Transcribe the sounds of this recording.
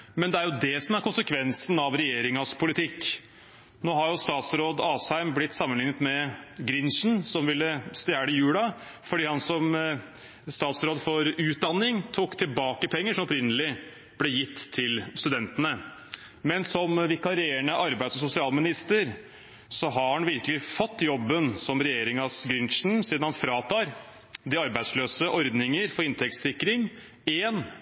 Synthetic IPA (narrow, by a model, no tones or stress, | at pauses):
mɛnd̪ɛæɾjʊd̪ɛsɔmæɾkʊnsəkʰʋɛnsn̩ɑʋɾɛjeːɾɪŋɑspʰʊlɪt̪ʰɪkː | noːɦɑɾjʊst̪ɑːt̪sɾoːd̪ɑːsæɪmblɪt̪ːsɑmːənlɪŋːət̪mɛɡɾɪnʃn̩sɔmʋɪlːəst̪jæːɽəjʉːlɑ | fɔɖiːhɑnsɔm | st̪ɑːt̪sɾoːd̪fɔɾʉːt̪̚d̪ɑnːɪŋt̪ʰuːkt̪ʰɪlbɑːkəpʰɛŋːəʂɔmɔpɾɪnːəlɪ | b̥lɛjɪt̪ːʰɪlst̪ʉd̪ɛnt̪ənə | mɛnsɔmʋɪkɑɾɪeɳəʔɑɾbæɪsɔsʊsɪɑːlmɪnɪst̪əɾ | sɔɦɑɾhɑnʋɪɾkəlɪfɔt̪ːjɔbːənsɔmɾɛjeːɾɪŋɑsɡɾɪnʂn̩siːd̪nhɑnfɾɑːt̪ʰɑːɾ | d̪ɪɑɾbæɪsløːsəʔɔɾd̪nɪŋəɾfɔɾɪnt̪ʰɛkssɪkːɾɪŋ | eːn